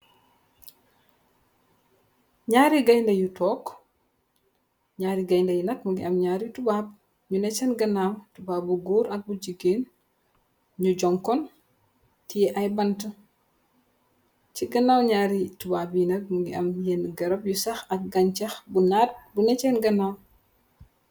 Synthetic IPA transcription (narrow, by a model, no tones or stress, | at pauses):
ɲaːɾiɡɐjndɐjutɔːk | ɲaːɾiɡɐjndɐjinɐk̚muɡḭɐmɲaːɾitubaːb̚ | ɲunɛt͡ʃɛnɡɐnaːwtubaːbuɡuːɾʔɐk̚buɟiɡeːn | ɲuɟɔŋkɔn | tijɛʔɐjbɐntɐ | t͡ʃiɡɐnaːwɲaːɾitubabjinɐk̚muɡiɐ̰mjɛnɡɐɾɐb̚jusɐxɐk̚ɡɐɲt͡ʃɐxbunaːt̚bunɛt͡ʃɛnɡɐnaːw